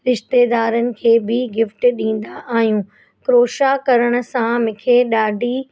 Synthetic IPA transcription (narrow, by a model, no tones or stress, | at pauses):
ɾɪʃt̪eːd̪aːɾənɪ̆kʰeːbɪɡɪfʈɗĩːn̆d̪aʔaːɦijũː | kɾoːʃakɐɾəɽ̃ʊ̆sãmɪkʰeɗaːɖʱi